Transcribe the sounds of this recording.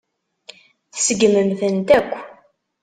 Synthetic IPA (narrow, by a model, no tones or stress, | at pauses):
θsəɡməmθənt̪ækʷː